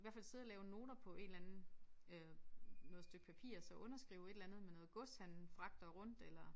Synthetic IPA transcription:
iʋæɐ̰fæl̰se̝ð̞̰ˠɐlɛːʊno̝ːd̥ɐpʰɒ̽ʔe̝ːd̥lænn̩ | ønɔ̽ð̩ˠsd̥øɡ̥̚pʰæpʰḭːɐsɒ̽ʔɔ̽nɐsɡ̥ʁiːʊe̝d̥elænð̞̩ˠmenɔ̽ːð̩ˠɡ̥ɔ̽shæn̩fʁɑ̈ɡ̥̚d̥ɐʁɔ̽n̰d̥elɐ

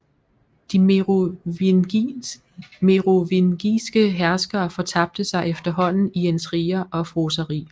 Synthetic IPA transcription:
d̥i | meʁo̝ʋinɡ̥isɡ̥əɦæɐsɡ̥ɐːfɒ̽t͡sʰɑ̈b̥̚d̥əsɑ̈ɪʔefd̥ɐɦɒ̽n̰n̩iensʁiːɐʔɒ̽fʁosɐʁḭː

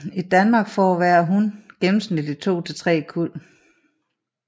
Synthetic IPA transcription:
id̥ænmɑ̈ɡ̥fɒːʋæɐɦunɡ̥enm̩snid̥it͡sʰo̝̰ːt͡sʰe̝t͡sʰʁɛ̰ːkʰul̰

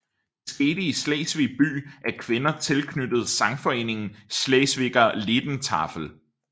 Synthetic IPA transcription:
sɡ̥e̝ːd̥əislɛ̰ɪsʋeb̥y̰ːʔæɐkʰʋe̝nɐt͡sʰe̝lkʰnyd̥ð̞̩ˠsɑ̈ŋfɒ̽e̝̰ːne̝ŋn̩slɛɪsʋe̝ɡ̥ɐlid̥n̩t͡sʰɑ̰̈fl̩

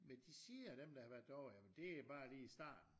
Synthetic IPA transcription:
mend̥isiːæɾ̥emd̥ɑ̈hɑ̈ʋæɐd̥ˠɒʊæmnd̥e̝æb̥ɑ̈ːliːisd̥ɑ̰̈ːd̥n̩

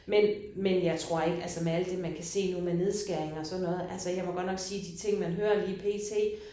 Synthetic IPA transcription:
men | menjɑ̈ɪt͡sʰʁo̝ɐ̰e̝ɡ̥əælsɐmeæl̰d̥e̝mænkʰæse̝̰ːnuð̩ˠmene̝ð̞ˠsɡ̥æɐ̰eŋɒ̽sɒ̽d̥nɔ̽ːð̞̩ˠʔælsəjɑ̈ɪmɒɡ̥ɒ̽d̥nɒ̽ɡ̥siːd̥it͡sʰe̝ŋ̰mænɦøːɐliːpʰe̝̰ːt͡sʰe̝̰ː

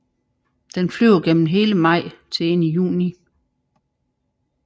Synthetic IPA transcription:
d̥enflyʊɐɡ̥en̰m̩ɦe̝ːləmɑ̈ɪ̰t͡sʰe̝enəjṵːni

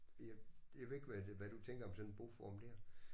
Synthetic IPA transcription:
jjaʋe̝e̝ɡ̥ʋæʋæɾ̥ut͡sʰeŋ̰ɡ̥ɐɒ̽msɒ̽nenb̥o̝fɒːmd̥eɐ̰

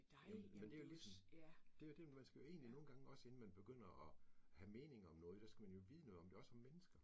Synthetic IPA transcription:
mend̥ejolismd̥e̝jod̥e̝mænsɡ̥æjo̝e̝̰ːnlino̝ːn̩ɡ̥ɑ̈ŋəɒ̽se̝n̩mænb̥e̝ɡ̥øn̰ɐʔɒhæme̝ːne̝ŋɐɒ̽mnɔ̽ːð̞̩ˠd̥æsɡ̥æmænjo̝ʋiːð̞ˠnɔ̽ːðˠɒ̽md̥e̝ɒ̽sɒmmenəsɡ̥ɐ

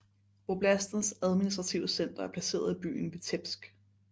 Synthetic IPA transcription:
b̥ob̥læsd̥n̩sæð̞ˠminisd̥ʁɑ̈t͡sʰiʊəsen̰d̥ɐæɐpʰlæse̝̰ːɐð̞̩ˠib̥y̰ːn̩ʋe̝t͡sʰeb̥sɡ̥

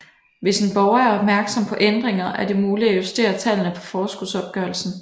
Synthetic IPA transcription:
ʋe̝senb̥ɒʊɐæɐɒ̽b̥̚mæɐɡ̥sɒ̽mpʰɒ̽ʔend̥ʁeŋɐʔæɐde̝muːliæjusd̥e̝̰ːɐt͡sʰɛlnəpʰɒ̽fɒːsɡ̥uðˠsɒ̽b̥̚ɡ̥œɐl̩sn̩

